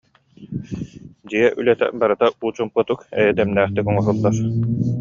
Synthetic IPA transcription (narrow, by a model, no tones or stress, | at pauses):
d͡ʑiɛʔylɛt̪ɛ̰baɾɯt̪auːt͡ɕumpɯt̪ukɛ̰jɛd̪ɛmnæːχt̪ikɔŋɔɾulˠːaɾ